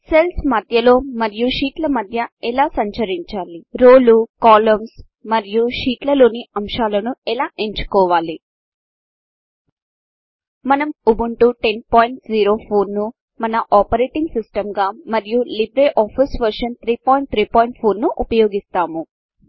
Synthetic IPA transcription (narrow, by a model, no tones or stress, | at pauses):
se̞lsmɐd̪ʱjɐlo̞ːmɐɾijuʃiːʈlɐmɐd̪ʱjɐɛlaːsɐɲt͡ʃɐɾiɲt͡ʃaːliɾoːlukaːlɐms | mɐɾijuʂiːʈlɐlo̞ːniɐmʃaːlɐnuɛlaːʔe̞ɲt͡ʃu̥kɔːʋaːli | mɐnɐmubuɳʈuʈe̞npaːjiɳʈziːɾo̞ːpʰoːnːu | mɐnɐʔaːpɐɾeːʈiŋɡsisʈɐmɡaːmɐɾijulibɾeːʔaːpʰisʋɐɾʂɐnt̪ʰɾiːpoːjɳʈ̚t̪ʰɾiːpaːjiɳʈpʰo̞ːɾnuʔupɐjo̞ːɡist̪aːmu